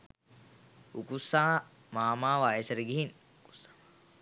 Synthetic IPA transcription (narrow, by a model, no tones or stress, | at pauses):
ukusːaɦa | maːmaːʋajesɐɾiɡiɦin | ku̥